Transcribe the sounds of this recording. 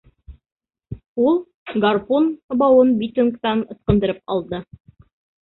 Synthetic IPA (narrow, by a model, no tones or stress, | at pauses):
ulˠ | ɡarpunbɑwɤnbʲit̪uŋkt̪ɑnɤ̆θqɤ̆nd̪ɤ̆ɾɘpɑlˠd̪ɤ